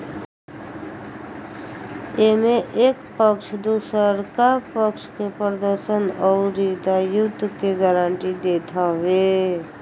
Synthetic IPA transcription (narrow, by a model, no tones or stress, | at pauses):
emẽʔeːkpəkʃd̪usəɾkapəkʃkepɾəd̪əɾʃənɔʊɾid̪ajʊd̪ʱkeɡəɾaɳʈid̪eːt̪ʰaʋe